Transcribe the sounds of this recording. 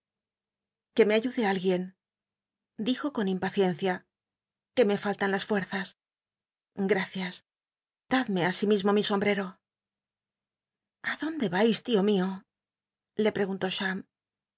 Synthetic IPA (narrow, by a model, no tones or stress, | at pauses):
ke̞me̞aʝuðe̞alɣje̞n | d̪ixo̞ko̞nimpaθje̞nθja | ke̞me̞falt̪anlasfwe̞ɾθas | ɡɾaθjas | d̪̥aðme̞asimizmo̞miso̞mbɾe̞ɾo̞ | aðo̞nd̪e̞βajst̪io̞mio̞ | le̞pɾe̞ɣunt̪o̞ʃam